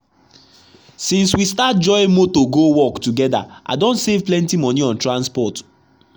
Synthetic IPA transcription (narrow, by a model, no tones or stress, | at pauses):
sĩnswistat̚d͡ʒɔɪmotoɡowɔktuɡɛda̰ʔa̰dõntsevplɛ̃ntimɔ̃niɔ̃ntɹãnspɔt